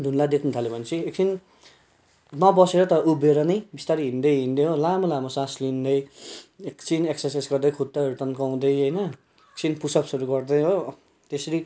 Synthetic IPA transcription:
d̪ʱunlad̪ekʰnut̪ʰalepʌnt͡sʰiek̚t͡sin | nʌbʌseɾʌt̪ʌubeɾʌnʌjbist̪aɾiɦind̪ʌjɦind̪eɦolamolamosaslind̪ʌjekt͡sineksʌrsajsɡʌrd̪ʌjkʰut̪ːaʌɾut̪ʌnkaw̃d̪ʌjɦʌjnʌ | ek̚t͡sinpusʌpsuɾuɡʌrd̪ʌjɦo | t̪esʌɾi

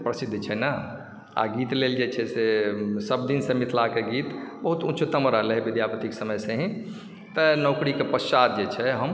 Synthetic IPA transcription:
pɾəsid̪ʱːt͡ʃʰɛna | a̰ɡit̪leld͡ʒet͡ʃʰɛsesəb̚d̪insemit̪lakeɡit̪bəɦut̪ut͡ʃʰut̪əmɾaleɦebid̪ʱjapət̪iksəməjsẽɦĩ | t̪ənɔʊkɾikepəst͡ʃat̪̚d͡ʒet͡ʃʰɛɦəm

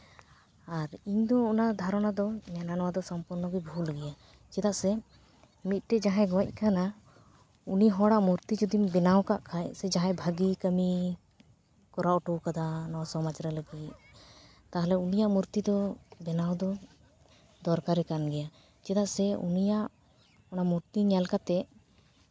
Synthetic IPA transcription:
aɾiɲd̪ɔɔnad̪ʱaɾɔnad̪ɔɲananɔwad̪ɔsɔmpuɾnɔɡujbʱulɡɛja | t͡ʃɛd̪aʔsɛ | mit̪̚ʈɛd͡ʒaɦɛ̃ɡɔwac̚ˀkana | uniɦɔɽaʔmuɾt̪id͡ʒɔd̪imbɛnawkaʔkʰajsɛd͡ʒaɦãjbʱaɡikəmi | kɔɾaʔɔʈukad̪anɔwasɔmad͡ʒɾɛləɡit̪̚ | t̪aɦalɛunijaʔmuɾt̪id̪ɔbɛnawd̪ɔ | d̪ɔɾkaɾɛkanɡɛja | t͡ʃɛd̪aʔsɛṵnijaʔ | ɔnamuɾt̪iɲɛlkat̪ɛ

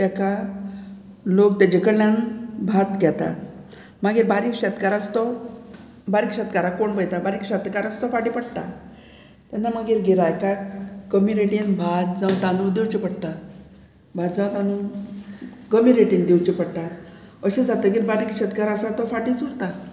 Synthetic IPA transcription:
t̪aka | lokt̪ad͡ʑekəɽlanbʱat̪ɡʱɛt̪a̰ | maɡiːɾbaɾiːkɕɛt̪kaɾat͡st̪ɔ | baɾikɕɛt̪kaɾakoɳbəjt̪abaɾiːkɕɛt̪kaɾat͡st̪ɔfaʈipəɽt̪a̰ | t̪anːamaɡiːɾɡʱiɾakaɡəmiɾeʈinbʱat̪d͡zãwt̪anud̪ewt͡ɕipəɽt̪a | bʱad̪d͡zãwt̪anu | ɡəmiɾeʈiːnd̪ewt͡ɕipəɽt̪a | əɕed͡zat̪əɡiːɾbaɾiːkɕɛt̪kaɾasat̪ɔfaʈit͡suɽt̪a

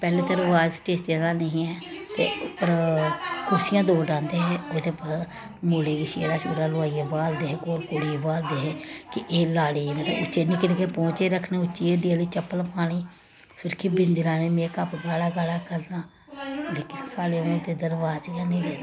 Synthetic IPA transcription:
pɛːleːd̪əɾʋaːzʈeːst̪jãːd̪aːnəɦĩːɛːt̪ḛːʊpːəɾkʰʊɾsɪjãːd̪oːɖãːnd̪eːɦɛːoːd̪eːpaːɾ | moːleːɡɪʃijḛːd̪aːt͡ʃo̰ːɾaːlʊaːijaːbaːld̪eːɦeːkoːɾkoːɽibaːld̪eːɦɛːkɪʔeːlaːɽeːenẽːt̪ḛʔʊt͡ʃːʃeːnĩːkənekeːpɔ̃ːt͡ʃeːɾəkʰnẽːʊt͡ʃːʃiːeːd̪ɪaːliːt͡ʃəpːəlpaːɽ̃iː | fɪɾkʰɪbɪnd̪ɪɾãːneːmeːkəpɡaːlaːɡaːlaːkəɾnaː | leːkɪnsaːleːmoːlt̪eːd̪əɾʋaːzt͡ʃkənĩːɾɛːd̪

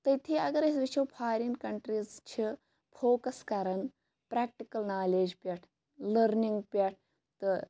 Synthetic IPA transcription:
t̪ɐt̪ʰiɐɡɐɾɐsʋit͡ʃʰewpʰaːɾinkɐɳʈɾizt͡ʃʰi | fʰoːkɐskɐɾɐn | pɾɛːk̚ʈikɐlnaːleːd͡ʒpʲɐʈʰ | lɐɾniŋɡpʲɐʈ̚ʰ | t̪ɨ

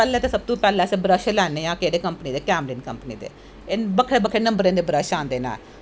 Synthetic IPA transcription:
pɛːlẽːt̪eːsəb̚t̪ũːpɛːlɛ̃ːsebəɾəʃelɛːneːãːkeːɽeːkəmpəniːd̪eːkɛːmliːnkəmpniːd̪ḛː | ebəkʰɽeːbəkʰːɽeːnəmbəɾẽːd̪eːbɾəʃãːnd̪eːnã̰ː

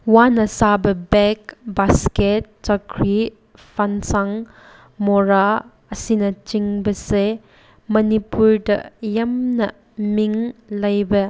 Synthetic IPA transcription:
wanɐsabɐbekbasket̚t͡ʃɐkʰɾi | pʰansaŋ | moɾa | ɐsinɐt͡ʃiŋbɐse | mɐnipuɾdɐ̰jɐmnɐ | miŋlɐjbɐ

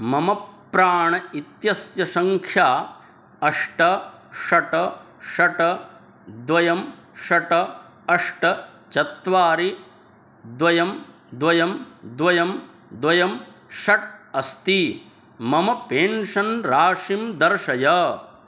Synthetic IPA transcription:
mɐmɐpː | ɾaːɳɐit̪jɐsjɐsɐŋkʰjaː | ɐʂʈɐʃɐʈɐ | ʃɐʈɐ | d̪ʋɐjɐm | ʃɐʈɐ | ɐʂʈɐt͡ʃɐt̪ʋaːɾi | d̪ʋɐjɐm | d̪ʋɐjɐmd̪ʋɐjɐm | d̪ʋɐjɐmʃɐʈ̚ɐst̪i | mɐmɐpeːnʂɐnɾaːʃimd̪ɐɾʃɐjɐ

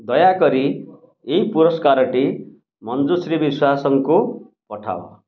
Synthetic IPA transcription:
d̪ʌjakʌɾi | ejpuɾʌskaɾʌʈi | mʌnd͡zusɾibiswasʌŋko | pʌʈʰa̰w̰

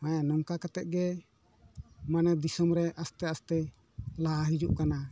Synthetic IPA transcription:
ãjãnɔŋkakat̪ɛt̪̚ˀɡɛ | manɛd̪isɔmɾɛʔast̪ɛast̪ɛ | laaɦid͡ʒṵʔkana

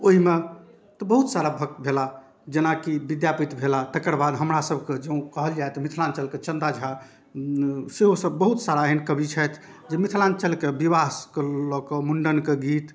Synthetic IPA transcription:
oɦime | t̪ɔbəɦut̪saɾabʱək̚t̪̚bʱela | d͡ʒenakibid̪japit̪bʱelat̪əkəɾbad̪ɦəmɾasəbʱked͡ʒeũkəɦəld͡ʒaet̪ɔmit̪ʰlant͡ʃəlket͡ʃənd̪ad͡ʒʱa | seɦosəbːəɦut̪saɾaɦinkəbit͡ʃʰɛt̪ʰ | d͡ʒemit̪ʰlant͡ʃəlkebibaskelɔkɔmuɳɖənkeɡit̪

